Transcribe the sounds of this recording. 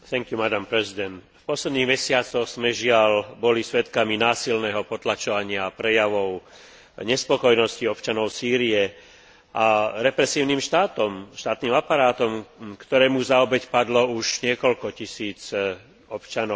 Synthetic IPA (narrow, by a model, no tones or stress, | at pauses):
θɛŋkjumad̪ampɾɛzid̪ɛnt̪fpɔslɛd̪niːɣmɛsɪat͡sɔxz̥mɛʒɪalbɔlisʋɛt̪kaminaːsilnɛːɦɔpɔt̪lat͡ʃɔʋaɲɪapɾɛjaʋɔʊ | ɲɛspɔkɔjnɔsciɔpt͡ʃanɔʊsiːɾiɛ | ʔaɾɛpɾɛsiːʊniːmʃt̪aːt̪ɔmʃt̪aːt̪niːmapaɾaːt̪ɔmkt̪ɔɾɛːmuzaɔbɛcpad̪lɔuʒɲɪɛkɔlkɔcisiːt͡s | ɔpt͡ʃanɔ